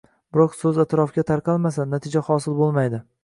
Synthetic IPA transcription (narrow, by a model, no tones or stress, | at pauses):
bɪɾɒqsɵzat̪ʰɾɒfɡʲat̪ʰaɾqʰɑlˠmasanat̪ʰɪd͡ʒahɒsɪlˠbolˠmajd̪ɪ